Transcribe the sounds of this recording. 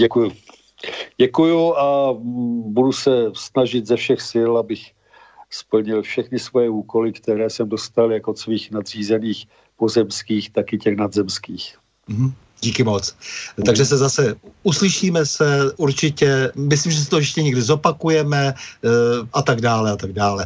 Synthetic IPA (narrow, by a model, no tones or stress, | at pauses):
ɟɛkuju | ɟɛkujua | budusɛsnaʒɪt̪zɛfʃɛxsɪlabɪx | spl̩ɲɪlfʃɛxnɪsvojɛuːkolɪkt̪ɛɾɛːsɛmdost̪aljakot̪sviːxnad̪r̝̥iːzɛniːx | pozɛmskiːxt̪akɪcɛxnad̪zɛmskiːx | m̩ɦ̩ | ɟiːkɪmo̞t͡st̪aɡʒɛsɛzasɛuslɪʃiːmɛsɛʔuɾt͡ʃɪcɛmɪsliːmʒɛs̬ɪt̪ojɛʃcɛɲɛɡdɪzo̞pakujɛmɛ | ʔat̪aɡdaːlɛat̪aɡdaːlɛ